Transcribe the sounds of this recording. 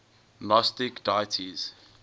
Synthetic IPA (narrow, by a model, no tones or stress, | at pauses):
lɔstikdajtʰiz̥